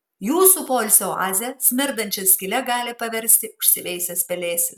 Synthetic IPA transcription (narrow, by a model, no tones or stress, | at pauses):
juːsuːpoːlʲsʲɛoʔɑːzʲɛsʲmʲɪɾd̪ɐnʲt͡ʃʲɛsʲkʲɪlʲɛɡɑːlʲɪpɐʋʲɛɾʲsʲt̪ʲɪʊʃʲsʲɪʋʲɛɪsʲɛspʲɛlʲeːsʲɪ